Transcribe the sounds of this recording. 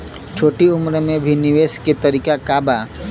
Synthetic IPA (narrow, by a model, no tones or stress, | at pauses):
t͡ʃʰoːʈiʊmɾmẽbʱinɪʋeːsket̪ɐɾiːkakaːba